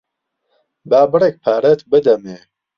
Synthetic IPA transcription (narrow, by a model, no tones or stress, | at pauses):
baːbɨɾek̚pʰaːɾɛt̪bɨd̪ɐme